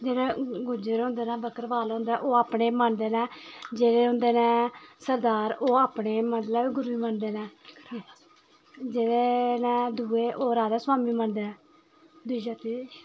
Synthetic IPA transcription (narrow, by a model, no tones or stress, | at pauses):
d͡ʒeːɽẽːɡʊd͡ʒeɾɦʊ̃ːnd̪eːnɛ̃ːbəkəɾʋaːlɦʊ̃nd̪ẽʔoːaːpneːməɳd̪eːnɛ̃ːd͡ʒeːɽeːɦʊ̃nd̪eːnɛ̃ːsəɾd̪aːɾoːaːpneːməɳɖlaːbiːɡʊɾuiːməɳd̪eːnɛː | d͡ʒeːɽeːnɛ̃ːd̪uːeːʔoːɾaːd̪aːsʊaːmiːməɳd̪eːnɛ̃ː | d̪uiːd͡ʒaːt̪iː